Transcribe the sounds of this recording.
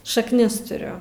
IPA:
ʃɐkˈnʲɪs tʊˈrʲʊ

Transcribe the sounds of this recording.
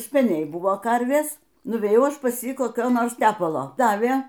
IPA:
sʲpʲɛˈnʲɛɪ ˈbʊʋoː ˈkɐrʲʋʲeːs nʊʋʲeːˈjɛʊ ˈɐʃ pɐs ˈjiː koːˈkʲoː ˈnoːrs ˈtʲæːpɐlˠoː ˈdɑːʋʲeː

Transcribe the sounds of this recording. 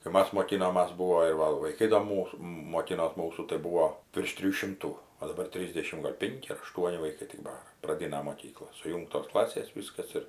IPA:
kɐɪ ˈmɐs moːˈkʲɪnoːmɐs ˈbuːʋoː ɪr ˈʋɐ ʋɐɪˈkɐɪ doː ˈmuːs moːˈkʲɪnoːs ˈmuːsʊ tɐɪ ˈbuːʋoː ʋʲɪrʃ ˈtʲrʲɪjuː ˈʃʲɪmtuː oː dɐˈbɐr ˈtʲrʲiːzʲdʲɛʃʲɪm ɡɐlʲ ˈpʲɪŋʲkʲɪ ɐr ɐˈʃtuɔnʲɪ ʋɐɪˈkɐɪ tʲɪk ˈbɑːrɐ prɐˈdʲɪnɐ moːˈkʲiːklˠɐ sʊˈjuːŋktoːs ˈklˠɑːsʲeːs ˈʋʲiːskɐs ɪr

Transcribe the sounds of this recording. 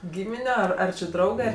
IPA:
ˈɡʲiːmʲɪnʲɛ ˈɐr ɐr t͡ʃʲɪ ˈdrɐʊɡɜ

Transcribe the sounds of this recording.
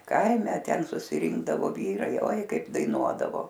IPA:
ˈkɐɪmʲɛ ˈtʲɛn sʊsʲɪˈrʲɪŋɡdɐʋoː ˈʋʲiːrɐɪ oːɪ ˈkɐɪp dɐɪˈnuɔdɐʋoː

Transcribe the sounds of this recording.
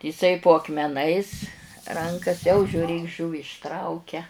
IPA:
ɪˈsɐɪ poː ɐkmʲɛˈnɐɪs ˈrɐŋkɐs jɛʊ ʒʲuːˈrʲeːk ˈʒuːʋʲɪ ɪʃˈtrɐʊkʲɛ

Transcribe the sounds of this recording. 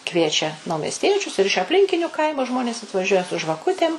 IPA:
ˈkʋʲiɛt͡ʃʲɛ nɐʊmʲɛsʲˈtʲiɛt͡ʃʲʊs ɪr ɪʃ ɐpʲˈlʲɪŋʲkʲɪnʲʊ ˈkɐɪmʊ ˈʒmoːnʲeːs ɐtʋɐˈʒʲuɔjɛ sʊ ʒʋɐˈkʊtʲeːm

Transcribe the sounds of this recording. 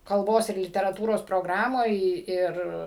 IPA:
kɐlˠˈboːs ɪr lʲɪtʲɛrɐˈtuːroːs proːˈɡrɑːmoːj ˈɪr

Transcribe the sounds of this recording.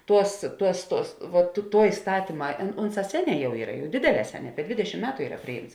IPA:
ˈtuɔs ˈtuɔs ˈtuɔs ʋɐ tʊ ˈtuɔ ɪˈstɑːtʲiːmɐ ɐn ˈʊnˌsɑː ˈsʲæːˌnʲɛː ˈjɛʊ ˈiːrɐ ˈdʲeːdʲeːˌlʲɛː ˈsʲæːˌnʲɛː ˈdʲʋʲeːdʲɛʃʲɪm ˈmʲæːtʊ ˈiːrɐ ˈpʲrʲɪˌjiːmts

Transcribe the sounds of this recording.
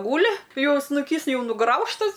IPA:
ˈɡuːlʲɪ ˈjɛʊ snʊˈkʲiːs ˈjɛʊ nʊˈɡrɐʊʃtɐs

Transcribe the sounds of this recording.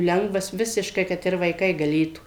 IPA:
ˈlʲɛŋɡʋɐs ˈʋʲɪsʲɪʃkɐɪ ˈkɐt ɪr ʋɐɪˈkɐɪ ɡɐˈlʲeːtuː

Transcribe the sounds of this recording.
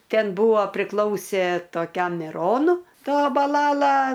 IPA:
ˈtʲɛn ˈbuːʋoː pʲrʲɪˈklˠɐʊsʲeː toːˈkʲɛm mʲɪˈroːnʊ ˈtɐ bɐˈlˠɑːlˠɐ

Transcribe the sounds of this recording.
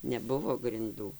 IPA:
nʲɛˈbʊʋoː ɡrʲɪnˈduː

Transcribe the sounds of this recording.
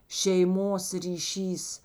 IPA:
ʃʲɛɪˈmoːs rʲiːˈʃʲiːs

